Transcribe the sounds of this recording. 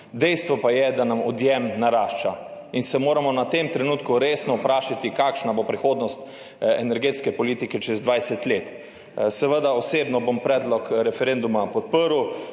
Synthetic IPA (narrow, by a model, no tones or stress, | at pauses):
d̪ɛjst̪ʋɔpajɛd̪anamɔd̪jɛmnaɾaːʃt͡ʃa̰ | insɛmoːɾamɔnat̪emt̪ɾɛnuːt̪kuɾesnɔpɾaːʃat̪ikaːkʃnabopɾixoːd̪nɔst̪ | ɛ̰nɛɾɡeːt̪skɛpɔliːt̪ikɛt͡ʃɛzd̪ʋajsɛt̪let̪ | sɛʋəd̪aɔseːbnɔbompɾɛːd̪lɔkɾɛfɛɾend̪umapɔt̪̚pəɾu